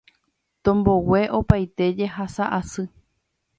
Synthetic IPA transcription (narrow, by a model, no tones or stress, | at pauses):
t̪õmbo̞we̞ʔo̞pajt̪e̞d͡ʒe̞ɦasaʔasɨ